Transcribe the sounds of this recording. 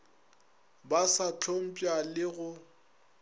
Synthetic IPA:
basat͡ɬʰom̩pʼjalɪɣʊ

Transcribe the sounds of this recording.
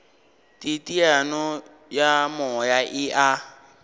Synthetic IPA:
tʼitʼianɔ | jamɔjaʔɪʔa

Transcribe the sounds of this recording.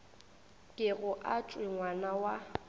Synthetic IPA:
kʼɪɣʊʔat͡ʃʼwɪŋwanawa

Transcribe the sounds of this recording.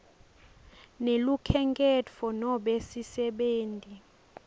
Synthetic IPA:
nelukʰɛŋkʼɛt͡fʰɔnɔɓesisɛɓeːntʼi

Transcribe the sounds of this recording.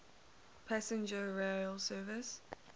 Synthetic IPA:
pʰasɪ̃nd͡ʒəɹelˠsɜːvɪs

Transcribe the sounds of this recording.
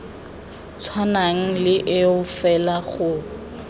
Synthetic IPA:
t͡sʰwanaŋ̩lɪʔɪʊfɛlaχʊ

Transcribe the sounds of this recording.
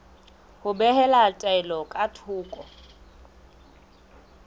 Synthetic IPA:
hʊbɛhɛlatʼɛlɔkʼatʰʊːkʼɔ

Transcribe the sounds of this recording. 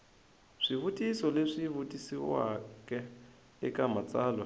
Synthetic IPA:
ʂiɦutʼisɔleʂiɦutʼisiwa̰kʼɛ | ɪkʼamat͡saːlwa

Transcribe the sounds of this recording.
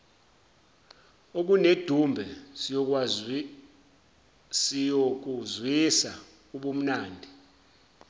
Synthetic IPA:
ok̬uned̥ʱumbʱɛsok̬ | sijok̬uzwisa | uɓum̩naːndʱi

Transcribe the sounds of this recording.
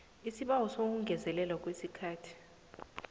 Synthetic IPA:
isiɓawɔsok̬uŋʱɛzɛlɛlwak̬ʼwesikʰaːtʰi̥

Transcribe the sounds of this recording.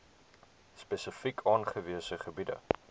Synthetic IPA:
spɛsəfikʰɑːnχəviəsəχəbidə̰

